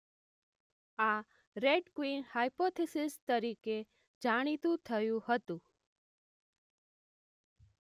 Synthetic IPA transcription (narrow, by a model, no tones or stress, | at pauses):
a | ɾeɖkwinhajpot̪ʰesɪst̪əɾike | d͡ʒaɽ̃it̪ũt̪ʰəjũhət̪ũ